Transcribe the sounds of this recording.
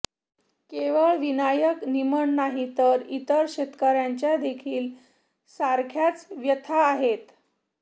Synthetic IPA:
keʋəɭʋinajəkniməɳnaɦit̪əɾit̪əɾɕet̪kəɾjaɲt͡ɕjad̪ekʰiːl | saɾkʰjat͡sʋjət̪ʰaːɦet̪

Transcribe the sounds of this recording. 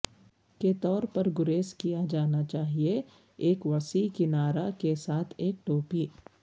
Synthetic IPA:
ket̪ɔːɾpɐɾɡʊɾeːskijad͡ʒaːnat͡ʃaːɦie | eːkʋɐsikɪnaːɾakesaːt̪ʰeːk̚ʈoːpiː

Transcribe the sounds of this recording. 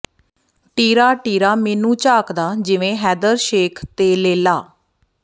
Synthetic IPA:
ʈiːɾaːʈiːɾaːmɛːnũːt͡ʃaːkd̪aːd͡ʒɪʋẽːɦɛːd̪əɾʃeːkʰt̪eːleːlaː

